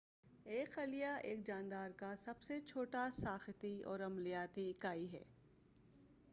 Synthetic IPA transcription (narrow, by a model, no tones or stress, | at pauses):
eːkɐlijaʔḛːk̚d͡ʒãːnd̪aːɾkasɐbset͡ʃʰoːʈasaːxɪt̪iɔ̰ːɾɐmlɪjaːt̪ikaːiɦɛ̰ː